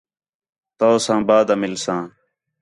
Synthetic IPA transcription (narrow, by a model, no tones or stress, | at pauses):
t̪oːsãːbaːd̪aːmɪlsãː